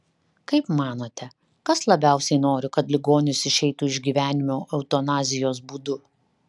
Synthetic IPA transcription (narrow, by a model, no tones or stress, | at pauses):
kɐɪpmɑːnoːt̪ʲɛ | kɐslˠɐbʲæˑʊsʲɛɪnoːɾʲɪkɐt̪lʲɪɡoːnʲʊsɪʃʲɛɪt̪uːɪʒʲɡʲiːʋʲæːnʲɪmʲoːʔɐʊt̪oːnɑːzʲɪjoːsbuːd̪ʊ